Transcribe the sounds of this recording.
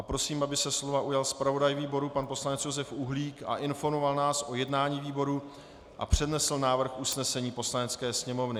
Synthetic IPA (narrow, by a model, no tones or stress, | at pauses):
ʔapɾo̞siːmʔabɪsɛslo̞vaʔujalspɾavo̞dajviːbo̞ɾupanpo̞slanɛt͡sjo̞zɛfʔuɦliːka̰ʔɪnfo̞ɾmo̞valnaːsʔo̞jɛdnaːɲiːviːbo̞ɾu | ʔa̰pr̝̥ɛdnɛsl̩naːvr̩xʔusnɛsɛɲiːpo̞slanɛt͡skɛːsɲɛmo̞vnɪ